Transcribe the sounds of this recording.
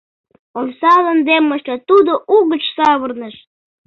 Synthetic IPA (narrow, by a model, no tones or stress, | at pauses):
olsɑlənd̪emːəʃt̪ɑt̪ud̪oʔuɣət͡ɕsɑβərnəʃ